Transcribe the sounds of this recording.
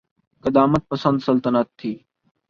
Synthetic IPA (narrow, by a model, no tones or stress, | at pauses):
kəd̪aːmət̪̚pəsə̃nd̪səlt̪ənət̪ʰːiː